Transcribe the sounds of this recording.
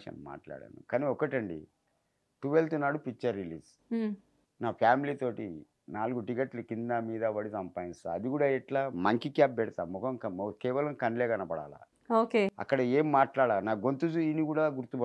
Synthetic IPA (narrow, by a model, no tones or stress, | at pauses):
ʃɐ̰nma̰ːʈla̰ːɽa̰ːnṵkaːniɔkɐʈɐɳɖḭ | ʈuʋelt̪unːaːɽupikːt͡ʃːɐɾːiliːs | naːpʰjaːmilit̪o̞ːʈḭ | naːluɡuʈikeʈlukind̪amiːd̪ɐʋɐɽisɐmpaːjinsɐd̪iɡuːɽaːɛʈlaːmɐŋkikaːp̚bɛɽit̪aːmːɔkʰɐmkɐkɛːʋɐlɐmkɐnlɛːɡɐnɐpɐɽa̰ːla̰ː | oːkeːɐ̰kːɐɽɐeːmːaːʈlaːɽaːnaːɡont̪ud͡ʒuinikuːɽaːɡuɾt̪ubɐ